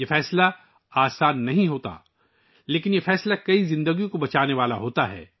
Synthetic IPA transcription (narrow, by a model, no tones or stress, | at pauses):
jefɛːsla | aːsaːnːɐɦĩɦoːt̪a̰ | leːkɪnjefɛːslakɐizɪ̃nd̪əɡijõkobɐt͡ʃaːneʋaːlaɦoːt̪aɦɛ̰ː